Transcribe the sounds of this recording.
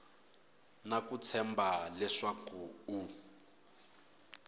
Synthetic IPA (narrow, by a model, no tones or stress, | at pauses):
nakut͡sʰɛmbalɛʂakuu